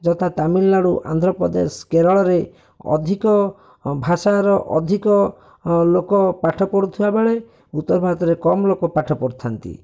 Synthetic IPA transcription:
d͡ʒɔt̪ʰat̪amilːaɽuʔa̰nd̪ʱɾɔpɾɔd̪ḛskeɾɔɭɔɾe | ɔ̰d̪ʱikɔ | bʱasaɾɔʔɔ̰d̪ʱikɔ | lokɔpaʈʰɔpɔɽut̪ʰibabeɭe | ut̪ːɔɾbʱaɡt̪ɔɾekɔmlokɔpaʈʰɔpɔɾt̪ʰant̪ḭ

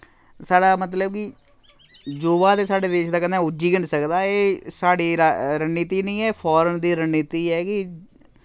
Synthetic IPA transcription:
saːɖaːmət̪ləb̚kɪ | d͡ʒoːʋaːd̪eːsaːɖeːd̪eːʃd̪aːkənɛ̃ːʊd͡ʒiːɡəɳɖsəkd̪aːeːsaːɽiːɾaɾənːiːt̪iːnĩːɛːpʰɔːɾənd̪iːɾənːit̪iːɦɛːkɪ

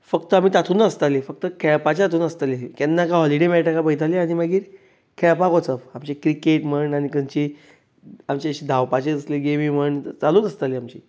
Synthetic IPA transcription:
fəkt̪əamiːt̪at̪ʰuːnəst̪alefək̚t̪əkʰɛɭpat͡ɕeat̪ʰuːnəst̪aleɦikɛnːakãɦɔliɽemɛʈakapəit̪ʰaleaɽ̃iməɡiːɾ | kʰɛɭpakot͡səfamt͡ɕekɾikeʈməɳɖaɽ̃ikəɲt͡ɕi | amt͡ɕeəɕid̪ʱawpat͡ɕed͡z̪əsleɡemim̤əɳt͡saluːnəst̪aliamt͡ɕi

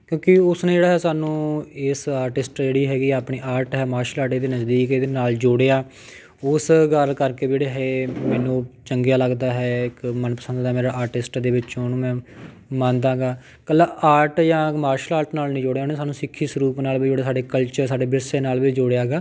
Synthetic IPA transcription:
kjõːkɪʊsneːd͡ʒeːɽaːɦɛːsaːnũːɪsaːɾʈɪsʈd͡ʒeːɽiːɦɛːɡiːapɳeːʔaːɾʈɦɛːmaːɾʃəlaːɾʈeːd̪eːnəsd̪iːkeːd̪eːnaːld͡ʒoːɽejaː | ʊsɡəɾkəɾkeːd͡ʒeːɽeːɦɛːmɛːnũːt͡ʃəŋɡjaːləɡd̪aːɦɛːɪkmənpəsə̃nd̪d̪aːmeːɾaːʔaːɾʈɪsʈd̪eːʋɪt͡ʃːnũːmɛ̃ː | mãːnd̪ãːɡaː | kəlːaːʔaːɾʈjãːmaːɾʃəlaːɾʈnaːlnĩːd͡ʒoːɽejaoneːsaːnũːsɪkʰːiːsɾuːpnaːlbiːd͡ʒoːɽeaːs̬aːɖeːkəlt͡ʃəɾsaːɖeːbɪɾseːnaːlʋiːd͡ʒoɽejaːɡaː

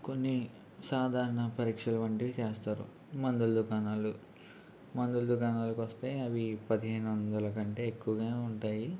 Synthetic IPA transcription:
ko̞nːi | saːd̪ʱaːɾɐɳɐpɐɾiːkʂɐlɐʋɐɳʈiʋit͡ʃeːst̪aːɾṵ | mɐnd̪uld̪ukaːnaːlu | mɐnd̪uld̪uɡaːnaːlɐkuʋɐst̪e̞ːɐʋipɐd̪iɦeːnuʋɐnd̪ɐlɐkɐɳʈe̞ːekːuʋɐɡaːuɳʈaːji

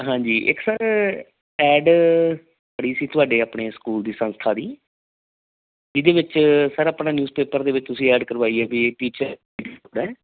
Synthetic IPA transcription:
ɦãːd͡ʒiːʔɪ̰ksəɾ | ɛːɖ | bəɽiːsiːt̪ʊaːɖeːaːpɳeːsə̥kuːld̪iːsə̃nst̪ʰaːd̪iː | d͡ʒɪd̪eːʋɪt͡ʃsəɾaːpɳaːnjuːzpeːpəɾd̪eːʋɪt͡ʃt̪ʊsĩːɛːɖkəɾʋaːiːɛːbiːʈiːt͡ʃəɾ | iːɖpɽɛː

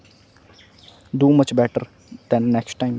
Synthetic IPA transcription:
ɖuːmʌt͡ʃbɛʈəɾ | d̪̥ɛ̃nːɛksʈʈːãɪ̃m

